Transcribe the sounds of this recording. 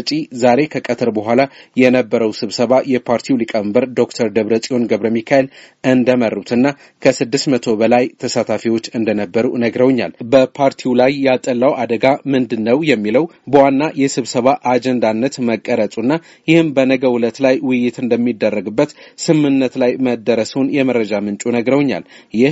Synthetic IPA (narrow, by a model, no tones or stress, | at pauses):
t͡ʃʼizaɾe̞kʰəkʼət̪ʰəɾbəɦʷalajɛnəbːəɾəwsɨβsəβajɛpʰaɾt̪ʰiwlikʼəɨmbəɾd̪o̞kt̪ʰəɾd̪əβɾət͡sʼijo̞nɡəβɾəmikʰaelʔɨnd̪əməɾːut̪ʰɨnːa | kʰəsɨd̪ːɨsmət̪ʰo̞bəlajt̪ʰəsat̪ʰafiwo̞t͡ʃːɨnd̪ənəbːəɾṵnəɡɾəwɲːa̰lbəpʰaɾt̪ʰiwlajːɛat̪ʼːəlːawad̪əɡamɨnd̪ɨnːəwjɛmːiləwbəwanːajɛsɨβsəβaʔad͡ʒɛnd̪anːət̪məkʼːəɾət̪ʼunːa | jɪhɨmbənəɡəwʊlət̪lajwʊjːɪt̪ɨnd̪əmːid̪ːərːəɡɨbːət̪sɨmːɨnːət̪lajməd̪ːəɾəswunjɛməɾːəd͡ʒamɨnt͡ʃʼunəɡɾəwɲːa̰ljɪh